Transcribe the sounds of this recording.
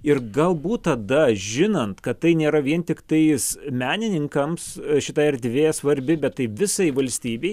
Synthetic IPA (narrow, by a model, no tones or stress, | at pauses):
ɪrɡɐlˠbuːt̪tɐd̪ɐʒʲɪnɐnt̪kɐt̪ːɐɪnʲeːɾɐʋʲiɛnt̪ʲɪkt̪ɐɪsmʲæːnʲɪnʲɪŋkɐmsʃʲɪt̪ɐːɛɾʲd̪ʲʋʲeːsʋɐɾʲbʲɪbʲɛt̪tːɐɪʋʲɪsɐɪʋɐlʲsʲt̪ʲiːbʲeɪ